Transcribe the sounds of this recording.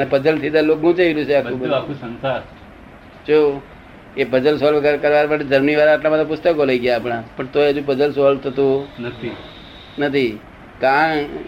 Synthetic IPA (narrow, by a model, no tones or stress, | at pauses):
nepəd͡ʒəlt̪ʰid̪aloɡɡũt͡ʃailũt͡ʃʰeakʰũbəd̪akũsə̃nsa | t͡ʃʰo | epəd͡ʒəlsoləɾkəɾʋaɾmaʈed͡ʒəɾmniʋaɾaːʈlamat̪apʊst̪əkoləiɡjaːpɽ̃ãpəɳt̪oeəd͡ʒũp̬əd͡ʒəlsɔlt̪ʰət̪ũnət̪ʰi | nət̪ʰi | kã